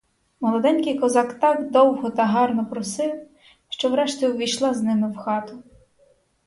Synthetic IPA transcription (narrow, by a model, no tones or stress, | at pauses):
mɔlˠɔd̪ɛnʲkɪjkɔzɑkt̪ɑɡd̪ɔwɦɔt̪ɐɦɑrnɔpɾɔsɪw | ʃt͡ʃɔwɾɛʃt̪ʲiʋʲijʃlˠɑznɪmɪwxɑt̪ʊ